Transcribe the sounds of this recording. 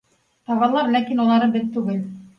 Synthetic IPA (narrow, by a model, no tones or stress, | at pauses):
t̪ɑβɑlˠɑɾlækinulˠɑɾɤbɘt̪t̪ːʉɡɘl